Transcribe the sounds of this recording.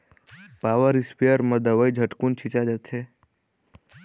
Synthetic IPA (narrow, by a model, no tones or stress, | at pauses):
paʋəɾispijəɾməd̪əʋəjd͡ʒʱəʈkunt͡ʃʰit͡ʃad͡ʒət̪ʰe